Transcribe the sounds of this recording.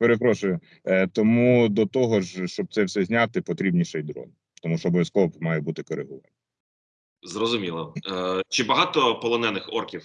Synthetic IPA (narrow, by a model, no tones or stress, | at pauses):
peɾepɾɔʃʊjʊ | t̪ɔmud̪ɔt̪ɔɦɔʒʃt͡ʃɔb̪̚sɛwsɛzʲnʲat̪ɪpɔt̪ɾʲibnʲiʃɐjd̪ɾɔ̰n | t̪ɔmuʃɔbɔʋjɐskɔʋɔpmɑjɛbut̪ɪkɔɾeɦuʋɐ̰nɪ | zrɔzʊmʲilˠɔt͡ʃɪbɐɦɑt̪ɔpɔlˠɔnɛnɪxɔrkʲiw